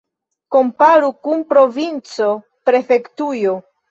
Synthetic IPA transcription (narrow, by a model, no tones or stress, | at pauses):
ko̞mpaɾukunpɾo̞vint͡so̞ | pɾe̞fe̞ktujo